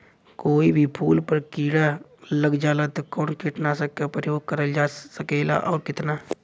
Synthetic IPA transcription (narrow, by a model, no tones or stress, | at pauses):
koːibʱipʰuːlpəɾkiːɽaləɡd͡ʒaːlat̪kɔːnkeʈnasəkkapɾəjoːɡ̚kəɾəld͡ʒaːsəkeːla̰ʔɔːɾkɪt̪naː